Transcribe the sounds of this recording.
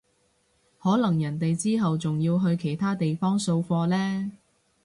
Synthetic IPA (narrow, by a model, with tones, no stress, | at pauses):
hɔː˨˥lɐ˨˩ŋjɐ˨˩nt̪e˨jt͡siː˥ɦɐ˨wt͡sʊ˨ŋjiː˧wɦɵ˧ɥkʰe˨˩jt̪ʰaː˥t̪e˨jfɔː˥ŋso˧wfɔː˧lɛː˥